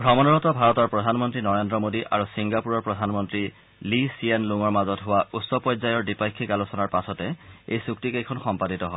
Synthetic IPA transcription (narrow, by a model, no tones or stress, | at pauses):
ɡʱɔmɔnɔɹɔtɔbʱaɹɔtɔɹpɹɔdʱanmɔntɹinɔɹendɹɔmodiʔaɹusiŋɡapuɹɔɹpɹɔdʱanmɔntɹi | lisienluŋɔɹmazɔtɦʊwautsɔpɔzajɔɹdipajkʰːikalusɔnaɹpasɔtɛḛjsuk̚tikejkʰɔnxɔmpaditɔɦɔ